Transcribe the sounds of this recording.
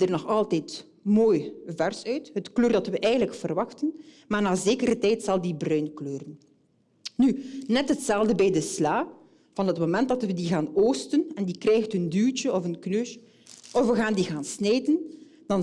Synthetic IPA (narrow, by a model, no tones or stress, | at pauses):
dərnɔxɑlˠtɛːt | moːjvɛrsœɥtɦətkløːrdɑtʋəʔɛjɣənləkfərʋɑxtən | maːrnaːzeːkəɾətɛjtsɑlˠdibrœɥnkløːrən | nynɛtɦətsɛlˠvdəbɛjdəslaː | v̥ɑnɦətmomɛntdɑtʋədiɣaːnoːstənɛndikrɛjxtɦəndylt͡ʃəɔfənknøːʃ | ʔɔfʋəɣaːndiɣaːnsneːjtən | d̥ɑn